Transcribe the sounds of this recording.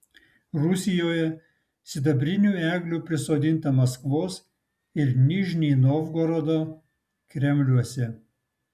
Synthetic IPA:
ɾʊsʲɪjoːjɛ | sʲɪd̪ɐbʲɾʲɪnʲuːæːɡlʲuːpʲɾʲɪsoːd̪ʲɪnt̪ɐmɐskʋoːs | ɪɾnʲɪʒʲnʲiːnoʋɡoːɾod̪oː | kɾʲɛmʲlʲuɔsʲɛ

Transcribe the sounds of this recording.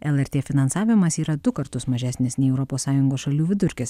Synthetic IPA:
ɛlˠɛɾʲt̪ʲeːfʲɪnɐnsɑːʋʲɪmɐsiːɾɐd̪ʊkɐɾt̪ʊsmɐʒʲæsʲnʲɪsnʲɛɪɛʊɾɔpoːsɑːjʊŋɡoːsʃɐlʲuːʋʲɪd̪ʊɾʲkʲɪs

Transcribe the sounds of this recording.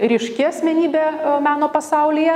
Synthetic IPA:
ɾʲɪʃʲkʲɪɐsʲmʲɛnʲiːbʲeːmɑːnoːpɐsɐʊlʲɪjɛ

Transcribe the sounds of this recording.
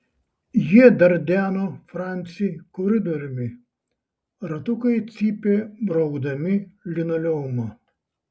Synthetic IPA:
jiɛd̪ɐɾd̪ʲæːnoːfɾɑˑnʲt̪sʲɪkɔɾʲɪd̪ɔɾʲɪmʲɪ | ɾɐt̪ʊkɐɪt̪sʲiːpʲeːbɾɔʊɡd̪ɐmʲɪlʲɪnɐlʲɛmɐ

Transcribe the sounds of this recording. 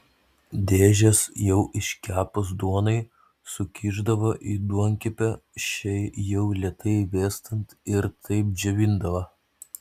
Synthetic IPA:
d̪ʲeːʒʲɛsjɛʊʔɪʃʲkʲæːpos̬d̪uɔnɐɪ | sʊkʲʰiːʒd̪ɐʋoʔiːd̪uɔŋʲkʲɪpʲɛʃʲɛɪjɛʊlʲɛt̪ʰɐɪʋʲeːst̪ɐnt̪ɪɾt̪ʰɐɪp̚d͡ʒʲɛʋʲɪnd̪ɐʋɐ

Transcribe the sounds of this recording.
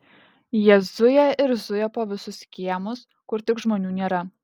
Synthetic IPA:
jiɛzʊjɛɪɾzʊjɛpoːʋʲɪsʊskʲiɛmʊs | kʊɾt̪ʲɪkʒmoːnʲuːnʲeːɾɐ

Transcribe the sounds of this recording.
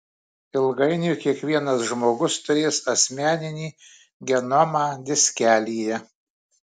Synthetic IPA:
ɪlˠɡɐɪnʲʊkʲiɛkʋʲiɛnɐsʒmoːɡʊst̪ʊɾʲeːsɐsʲmʲæːnʲɪnʲiː | ɡʲɛnɔmɑːd̪ʲɪsʲkʲæːlʲiːjɛ

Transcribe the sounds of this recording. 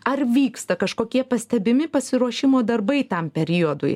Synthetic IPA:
ɐrʋʲiːkst̪ɐkɐʃkoːkʲiɛpɐsʲt̪ʲɛbʲɪmʲɪpɐsʲɪɾuɔʃʲɪmoːd̪ɐɾbɐɪt̪ɐmpʲɛɾʲɪod̪ʊ̰j

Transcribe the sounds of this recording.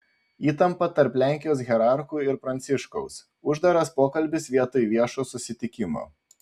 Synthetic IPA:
iːt̪ɐmpɐt̪ɐɾplʲæˑŋʲkʲɪjoːs̬ɣʲɛɾɑˑɾxuːɪɾpɾɐnʲt̪sʲɪʃkɔʊs | ʊʒd̪ɐɾɐspoːkɐlʲbʲɪsʋʲiɛt̪ojʋʲiɛʃoːsʊsʲɪt̪ʲɪkʲɪmo̰ː

